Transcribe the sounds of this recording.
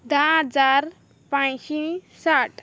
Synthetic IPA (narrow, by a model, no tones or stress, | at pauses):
d̪ad͡zaɾ | pãjsisaʈʰ